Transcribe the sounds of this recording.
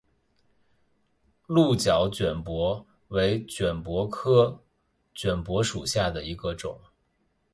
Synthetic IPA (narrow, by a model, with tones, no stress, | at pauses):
lu˥˩t͡ɕjɑ˨˩˥ʊt͡ɕɥɛ˨˩npwɔ˧˥ | we˧˥ɪt͡ɕɥɛ˨˩npwɔ˧˥kʰɤ˥˩ | t͡ɕɥɛ˨˩npwɔ˧˥ʂu˨˩ɕja˥˩d̪ə˩i˧˥ɡə˧ʈ͡ʂʊ̰˨˩˦ŋ